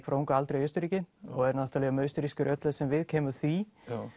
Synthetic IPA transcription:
kʰfɾuŋkaalt̪ɾejœɥst̪ʏɾiːcɪɔɣɛɾnaht̪alɛːɣamœɥst̪ʏɾiskʏɾʔœt̪lɛðsɛmvɪðcʰɛːmʏθvi

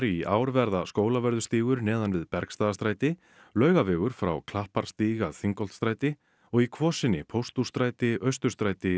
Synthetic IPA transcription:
ɾiʔaːwɾvɛɾðaskoːwlavɛɾðʏst̪iːɣʏɾnɛːðanvɪðpɛɾkst̪aːðast̪ɾaːjt̪ɪ | lœːɥɣavɛːɣʏɾ̥fɾa̰wkʰl̥ahpaɾ̥st̪iːɣaθiŋkɔl̥t̪st̪ɾaːjt̪ɪ | ɔɣikʰvɔːsɪnːɪpʰowst̪ust̪ɾaːjt̪ɪœɥst̪ʏɾ̥st̪ɾaːjt̪ɪ

